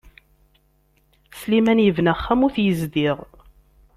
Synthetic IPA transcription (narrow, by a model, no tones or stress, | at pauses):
slimænjəvnæχːæmʊɾθjəzd̪iʁ